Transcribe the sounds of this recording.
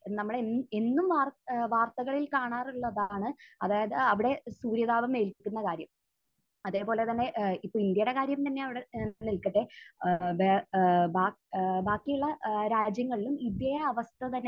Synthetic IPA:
nɐmːɐɭee̞nːumʋaːʋaːrt̪ɐɣɐɭilkaːɳaːruɭːɐðaːɳɨɐðaːjɐðɨɐʋiɽe̞suːɾjɐðaːʋɐme̞ːlkikʲːunːɐkaːɾjɐm | ɐðe̞ːpo̞ːle̞t̪ɐnːe̞ʔipːoːind̪jɐjɽe̞kaːɾjɐmt̪ɐnːe̞ɐʋiɽenilkɐʈːebbaː | baːkːijuɭːɐɾaːd͡ʑjɐŋːɐɭilumid̪jɐjɐɐʋɐst̪ʰɐt̪ɐnːe

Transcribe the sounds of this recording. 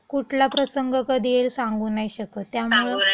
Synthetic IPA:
kuʈʰlapɾəsəŋɡəkəd̪ʱielsãŋɡuːnajɕəkət̪jamuɭə

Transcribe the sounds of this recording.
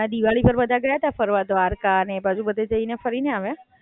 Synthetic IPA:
ad̪iʋaɭipəɾʋəd̪ʱaɡəjat̪afəɾʋad̪ʋaɾkanebad͡ʒubəd̪ʱed͡ʒəinefəɾineaʋe

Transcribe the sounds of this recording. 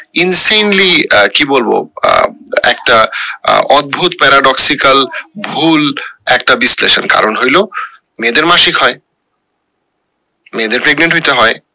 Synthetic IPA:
insejnlikibolbo̰ | ɛ̰kʈa | ɔd̪̚bʱut̪pɛɾaɖɔksikalbʱulɛk̚ʈabislḛsɔ̰nka̰ɾonɦojlo | med̪eɾmaʃikɦɔe | med̪eɾpɾeɡneɳʈɦojt̪eɦɔj

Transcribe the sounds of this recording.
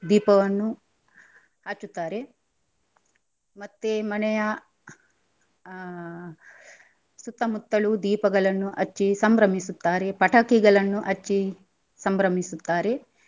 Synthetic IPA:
d̪iːpɐʋɐnːu | haːt͡ʃːut̪ːaːɾe̞ | mɐt̪ːemɐnɛjɐ | sut̪ːɐmut̪ːɐɭud̪iːpɐɡɐɭɐnːuʔɐt͡ʃːisɐmbɾɐmisut̪ːaːɾe̞pɐʈɐkiɡɐɭɐnːuʔɐt͡ʃːi | sɐmbɾɐmisut̪ːaːɾe̞

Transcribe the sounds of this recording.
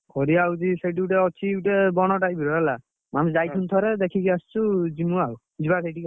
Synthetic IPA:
kʰɔɾiawziseʈ̬iuʈɛɔt͡ʃʰiuʈɛbɔnɔʈajbiɾɔala | mamzajt̪ʰunt̪ʰɔɾɛd̪ekʰikiast͡ʃuzimuaw | d͡ʒibasejʈika

